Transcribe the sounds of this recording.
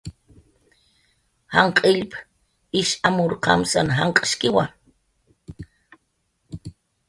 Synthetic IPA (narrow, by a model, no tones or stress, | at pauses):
haɴqʼiʎp | iʃamuɾqʰa̰msanɦaŋqʼʃkiwa̰